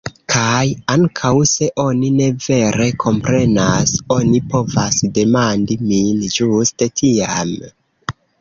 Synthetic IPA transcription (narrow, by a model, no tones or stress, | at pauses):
kʰajaŋkʰawse̞ʔo̞nine̞ve̞ɾe̞kʰo̞mpɾe̞naso̞nipo̞vasde̞mandimind͡ʒustetʰiam